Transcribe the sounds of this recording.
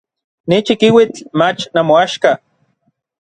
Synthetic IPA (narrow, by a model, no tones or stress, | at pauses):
nit͡ʃikiwit͡ɬmat͡ʃnamoaʃka